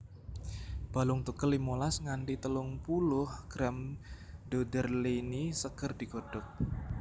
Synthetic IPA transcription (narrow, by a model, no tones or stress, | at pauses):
b̥a̤lʊŋt̪ukəlːimolasŋanʈit̪əlʊŋpulʊhɡ̥ɾamd̥odərlinisəkərd̪̥i̤ɡ̥o̤ɖ̥ɔk̚